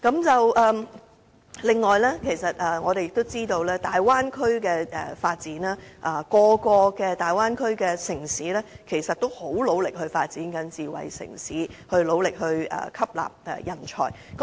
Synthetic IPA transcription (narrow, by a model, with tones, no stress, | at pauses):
kɐ˨˥mt͡sɐ˨wʔɛː˨ | lɪ˨ŋːɔː˨jlɛː˥kʰe˨˩jsɐ˨t̚ɛː˨˩ŋɔː˨˧d̪e˨jɪ˨k̚t̪o˥wt͡siː˥t̪o˧wlɛː˥t̪aː˨jwaː˥nkʰɵ˥ɥkɛː˧ɛ˨faː˧t̚t͡siː˨˥naː˥ʔɐː˨˩kɔː˧kɔː˧kɛː˧t̪aː˨˩jwaː˥nkʰɵ˥ɥkɛː˧sɪ˨˩ŋsiː˨˥lɛː˥kʰe˨˩jsɐ˨t̚t̪o˥who˨˥wlo˨˧wlɪ˨k̚hɵ˧ɥfaː˧t̚t͡siː˨˥nkɐ˨˥nt͡siː˨wɐ̰˨jsɪ̰˨˩ŋsiː˨˥hɵ˧ɥlo˨˧wlɪ˨k̚ɦɵ˧ɥɛ̰ː˨˩kʰɐ˥p̚la̰ː˨p̚ɛ̰˨˩jɐ˨˩nt͡ʃʰɔ̰ː˨˩j | kɐ˨˦